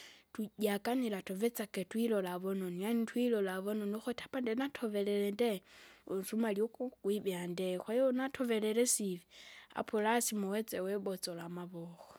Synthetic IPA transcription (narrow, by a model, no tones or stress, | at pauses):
tuɟakanilatovet͡saketwilolaβononianitwilolaβononoxotʰḁpandenatʰovelelendeusumaljokukwiβjandexwajonatʰovelelesivia̰pʰulasimowet͡seweβot͡solamaβoxo